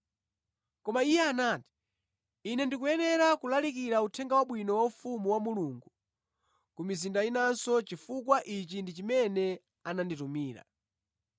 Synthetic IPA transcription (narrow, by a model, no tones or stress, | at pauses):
kɔmaijɛanaːti̥ | inɛndik̬ujɛnɛɾakulalik̬iɾautʰɛŋɡawaɓwinɔwaufumuwamuluŋɡu | kumizindainansɔt͡ʃifukwaʔit͡ʃindit͡ʃimɛnɛ | ananditumiːɾa̰